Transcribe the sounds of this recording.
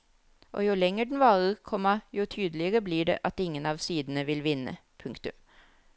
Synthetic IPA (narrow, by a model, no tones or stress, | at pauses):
ʔo̰ːjʊlɛŋːəɖɛn̩ʋɑːɾəɾkʰɔmːɑjʊt̪ʰyːd̪əlɪəɾəbliːɖɛ̰ʔɑt̪ɪŋːənɑːʋsiːd̪ənəʋɪlʋɪnːə̰pʰʉŋkt̪ʉm